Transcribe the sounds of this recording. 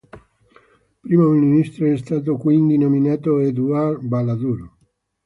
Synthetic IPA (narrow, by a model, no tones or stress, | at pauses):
pɾiːmoininist̪ɾoɛst̪aːt̪̬okwind̪inominaːt̪oed̪uarbalad̪uɾo